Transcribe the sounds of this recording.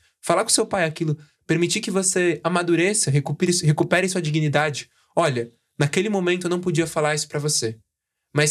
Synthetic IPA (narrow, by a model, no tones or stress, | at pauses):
falaɾkõsewpajakilʊ | peɾmit͡ʃikɪvoseɐmad̪uɾesɐɦekupɾɪsɦekupɛɾɪɐsuɐd͡ʒiɡinid̪ad͡ʒɪ | ɔʎɐ | nakelɪmõmẽnʊewnɐ̃w̃p̬od͡ʒiɐfalaɾisʊ̥pɾɐvose | mɐs